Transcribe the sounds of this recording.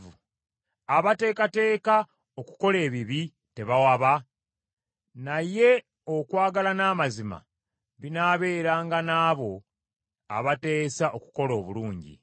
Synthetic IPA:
u | aβate̞ːkate̞ːka | o̞ku̥ko̞le̞ːβiβi | te̞βawaβa | naje̞ | okwaːɡalanaːmazima̰ | βinaːβe̞ːɾaːŋɡanaːβo̞ | a̰βate̞ːsaʔoku̥ko̞lo̞ːβuluːɲɟḭ

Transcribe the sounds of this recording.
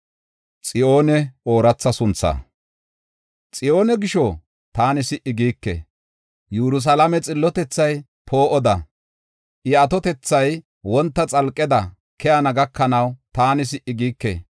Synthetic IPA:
t͡sʼɪo̞ːnɛo̞ːɾɐt͡sːɐsʊnt͡sːɐ̰ː | t͡sʼɪʔo̞ːnɛɡɪʃɔ | t̪aːnɪsɪʔɪɡiːkːḛ | jɛɾʊs̬ɐlɐmɛt͡sʼɪlːɔt̪ɛt͡sːɐj | pʰo̞ːʔɔd̪ɐ | ʔɪɐt̪ɔt̪ɛt͡sːɐj | wɔnt̪ːɐt͡sʼɐlkʼːɛd̪ɐ | kʰɛjɐnɐɡɐkːɐnɐwt̪aːnɪs̬ɪʔɪɡiːkːḛ

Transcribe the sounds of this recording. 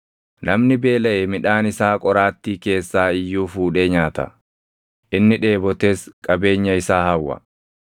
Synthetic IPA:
nɐmnɪbe̞ːlɐʔɛmɪᶑaːnɪsaːkʼɔɾaːt̪ːiːke̞ːsːaːɪjːuːfuːᶑeːɲaːt̪ɐ̰ | ʔɪnːɪᶑe̞ːbɔt̪e̞ːskʼɐbe̞ːɲːɐɪsaːhɐwːɐ̰

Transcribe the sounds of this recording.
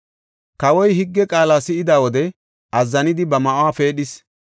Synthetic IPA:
kɐwɔjhɪɡːɛkʼaːlaːsɪɪd̪aːwɔd̪ɛ | ɐzːɐnɪd̪ɪbɐmɐʔʊwaːfe̞ːɗɪs

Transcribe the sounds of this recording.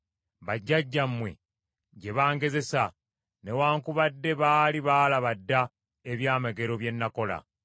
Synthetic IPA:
βaɟːaɟːamːwe̞̰ | ɟe̞βaːŋɡe̞ze̞sa | ne̞waːŋkuβadːe̞βaːliβaːlaβadːa | eβjaːmeɡe̞ɾo̞βje̞nːako̞la̰

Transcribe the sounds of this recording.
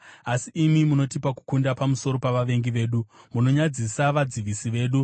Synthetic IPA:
asiːmimuno̞tipaku̥kundapamuso̞ɾo̞paʋaʋe̞ŋɡiʋe̞ːɗumuno̞ɲad͡zisaʋad͡ziʋisiʋe̞ːɗu

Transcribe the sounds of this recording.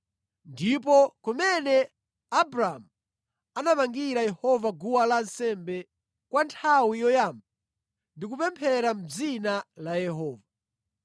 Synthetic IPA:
ndip̬ɔkɔmɛnɛ | abɾaːmu | anamaŋɡiɾajɛhɔvaɡuwalansɛmbɛ | kwantʰawijɔjamb̚a | ndik̬upɛmpʰɛɾam̩d͡zinalajɛɦɔːva

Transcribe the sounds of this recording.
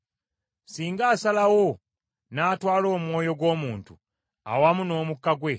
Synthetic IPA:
siːŋɡaːsalawo̞ | naːtwaːlo̞ːmwo̞ːjo̞ɡwo̞ːmuːntṵ | a̰wamuno̞ːmukːaɡwe̞

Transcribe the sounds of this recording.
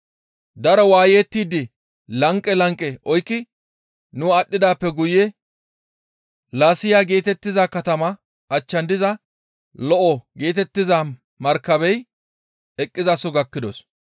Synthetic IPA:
d̪ɐɾɔwaːjeːt̪ːiːd̪ɪ | lɐŋkʼːɛlɐŋkʼːɛʔɔjkːɪ | nʊɐɗːɪd̪aːpːɛɡʊjɛ | laːsɪjaːɡe̞ːt̪ɛt̪ːɪzɐkɐt̪ɐmɐ | ʔɐt͡ʃːɐnd̪ɪzɐ | lɔʔɔɡe̞ːt̪ɛt̪ːɪzɐ | mɐɾkːɐbɛj | ɛkʼːɪzɐsɔɡɐkːɪd̪ɔs

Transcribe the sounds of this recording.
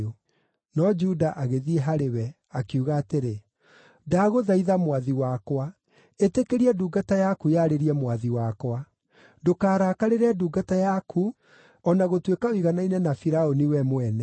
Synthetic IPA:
o | nɔd͡ʒudaʔaɣeðieɦaɾewɛ | akuɣaːteɾe | daːɣoðaiðamwaðiwakwa | etekeɾiɛduːɡatajakujaɾeɾiɛmwaðiwakwa | dokaːɾaːkaɾeɾɛduːɡatajakʰu | ɔnaɣotwekaoiɣanainɛnafiɾaoniwɛmwɛnɛ

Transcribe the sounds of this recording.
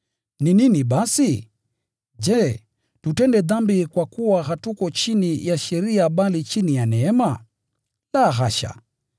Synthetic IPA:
nininiɓasi | d͡ʒɛ | tutɛndɛðambikwakuwaɦatukɔt͡ʃinijaʃɛɾiaɓalit͡ʃinijanɛɛma | laːɣaʃa̰

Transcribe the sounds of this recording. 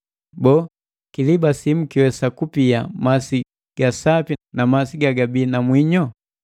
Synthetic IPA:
bɔ | kilibasim̩kiwɛsakupiamasi | ɡ̥asapinamasiɡaɡabiːnamwiɲɔ

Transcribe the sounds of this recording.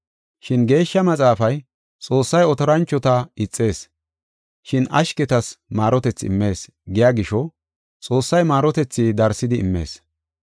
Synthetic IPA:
ʃɪnɡe̞ːʃːɐmɐt͡sʼaːfɐj | t͡sʼo̞ːsːɐjɔt̪ɔɾɐnt͡ʃːɔt̪ɐɪt͡sʼːe̞ːs | ʃɪnʔɐ̰ʃkɛt̪ɐsmaːɾɔt̪ɛt͡sːɪɪ̰mːe̞ːs | ɡɪjaːɡɪʃɔ | t͡sʼo̞ːsːɐjmaːɾɔt̪ɛt͡sːid̪ɐɾsːɪd̪ɪ̰ːmːe̞̰ːs

